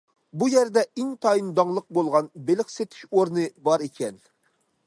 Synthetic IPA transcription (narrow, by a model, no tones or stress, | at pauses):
bujɛɾd̪ɛɪŋt̪ʰɑjind̪ɑŋlˠəq̚bolˠʁɑnbelɪχset̪ʰɪ̥ʃoɾnɨbɑɾekʲʰɛn